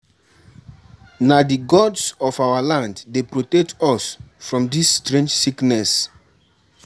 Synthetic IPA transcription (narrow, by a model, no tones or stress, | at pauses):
nadiɡɔdsɔfawalãnddepɹotɛk̚tʰɔsfɹɔ̃mdisːtɹẽnd͡ʒsiknɛs